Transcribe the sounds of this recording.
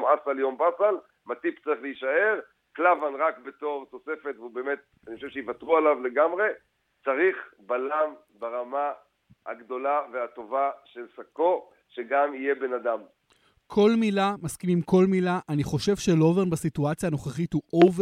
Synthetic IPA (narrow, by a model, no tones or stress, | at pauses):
masaljo̞mbasal | mat̪ipt͡saʁiχleiʃae̞ʁ | klavanʁakbe̞t̪o̞ʁt̪o̞se̞fe̞t̪veubeːme̞t̪̚anixoʃevʃeivatʁualavle̞ɡamʁe̞ | t͡saʁiχbalam | baʁama | ha̰ɡd̪o̞laveat̪o̞vaʃe̞lsako̞ | ʃeɡamije̞be̞nad̪am | kʰo̞lmilamaskimimko̞lmilaʔaniχo̞ʃe̞vʃelo̞venbasituat͡sjaːno̞χeχithuʔov